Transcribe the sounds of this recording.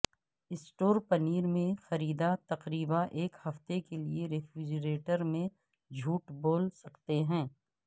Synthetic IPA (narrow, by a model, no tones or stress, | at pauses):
ɪsʈoːɾpɐniːɾmẽxɐɾiːd̪at̪ɐqɾiːbaʔeːkhɐft̪ekelieɾeːfɾɪd͡ʒɾeːʈəɾmẽ | d͡ʒʱuːʈboːlsɐkt̪eɦɛ̃ː